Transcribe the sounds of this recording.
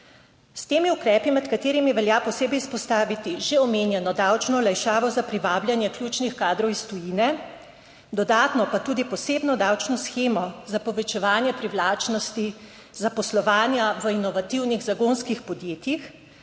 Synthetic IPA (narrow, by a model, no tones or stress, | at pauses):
st̪eːmiukɾɛːpimɛt̪kat̪eːɾimiʋɛljapɔseːbɛjspɔst̪aːʋit̪iʒeɔmeːnjɛnɔd̪awt͡ʃnɔlajʃaːʋɔzapɾiʋaːbljanjɛkljuːt͡ʃnixkaːd̪ɾɔwist̪ɔjiːnɛ | d̪ɔd̪aːt̪nɔpat̪uːd̪ipɔseːbnɔd̪awt͡ʃnɔsxeːmɔzapɔʋɛt͡ʃɛʋaːnjɛpɾiwlaːt͡ʃnɔst̪i | zapɔslɔʋaːnjaʋəinɔʋat̪iwniɣzaɡoːnskixpɔd̪jeːt̪jix